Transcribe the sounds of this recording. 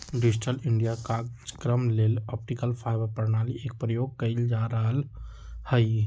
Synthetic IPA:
ɖid͡ʒiʈəliɳɖijakad͡ʒkɾəmlelɔp̚ʈikəlpʰaɪbəɾpəɾnaliek̚pɾəjoɡ̚kəɪld͡ʒaɾəɦəl | həɪ

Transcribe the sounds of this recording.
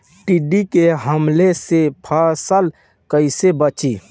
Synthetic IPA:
ʈiɖikeɦəmlesepʰaːsəl | kəɪsebət͡ʃiː

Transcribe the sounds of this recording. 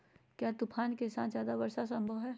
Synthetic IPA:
kjaːt̪ʊpʰaːnkesãːnzjaːd̪aʋɐɾʃas̬ɐ̃mbʱəwɦɛː

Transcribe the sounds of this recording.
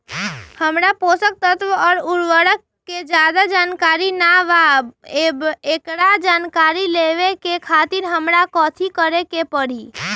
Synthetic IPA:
həmɾaposək̚t̪ət̪ʋəɔːɾʊɾʋəɽəkːed͡ʒjad̪ad͡ʒaːnkaɾinaʋabebekɽad͡ʒaːnkaɾileʋekekʰaːt̪iɾɦəmɾakɔːt̪ʰikəɾekepəɽi

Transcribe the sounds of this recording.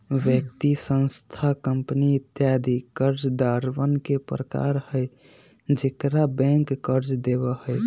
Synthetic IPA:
ʋjək̚t̪isə̃ñst̪ʰakəmpəniːt̪jad̪ʱikəɾd͡ʒd̪aɾwənkepɾəka̰ɾhəj | d͡ʒekɾabɛ̃ŋkːəɾd͡ʒd̪eβəhəj

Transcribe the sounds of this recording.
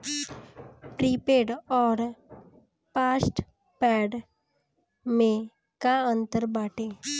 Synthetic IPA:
pɾiːpeːɖɔːɾ | paːsʈ | pɛːɖ | mẽ | kaə̃nt̪əɾbaːʈeː

